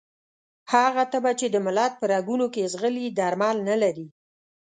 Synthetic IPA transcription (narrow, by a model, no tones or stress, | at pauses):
haɣat̪əbat͡ʃed̪əmʊlɑd̪̚pəɾaɡunokezɣəlid̪aɾmɑlnalaɾi